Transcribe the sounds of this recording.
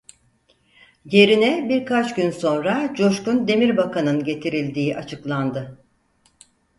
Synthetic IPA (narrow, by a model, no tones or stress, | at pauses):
je̞ɾinɛbiɾkʰat͡ʃɟynso̞nɾad͡ʒo̞ʃkund̪e̞miɾbakʰanɯnɟe̞t̪ʰiɾilʲd̪iːʔat͡ʃʰɯklˠand̪ɯ